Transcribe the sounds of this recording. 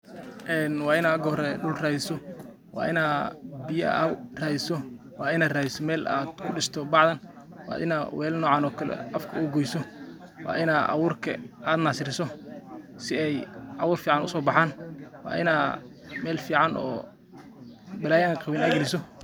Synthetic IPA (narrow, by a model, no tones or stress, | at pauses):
ʔɛːnwɑːɪnaːɡɔːɾɛɖʊlraːðɪsɔ | wɑ̰ːɪnaːbɪjɐɐ̰raːɪsɔ | wɑːɪnaːd̪raːðɪsɔmɛːlaːd̪kʰʊɖɪst̪ʰɔbɑʕðɐn | wɑ̰ːʔɪ̰naːwʔɛːlnɔːʕɑːnɔːkʰɐlɛ̰ʔɐfkʰɐuɡɔjsɔ | wʔɑ̰ːʔɪnaːd̪ʔɑ̰wʊːrkʰɐ̰ʔaːd̪naːsɪɾɪsɔ | sɪɛjʔɑwʊːrfiːʕɑnʊsɔːbɑħaːnwɑ̰ːʔɪ̰naː | mɛːlfiːʕɑnʔɔ̰ː | bɪlaːjaːnqɑβɪnaːɡɐlɪsɔ